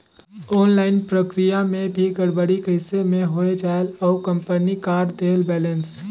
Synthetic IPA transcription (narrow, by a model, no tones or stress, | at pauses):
ɔːnlaːɪnpɾəkɾijamẽbʱiɡəɽbəɽikəɪsemẽɦoed͡ʒaːelɔːkə̃mpənikaːɾd̪eːlbɛːləns